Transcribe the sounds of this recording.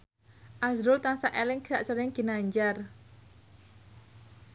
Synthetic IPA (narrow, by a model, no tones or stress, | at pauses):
ʔasɾʊlt̪aŋsaʔelɪŋki̥saʔsɔɾɪŋɡ̥i̤naɲd͡ʒar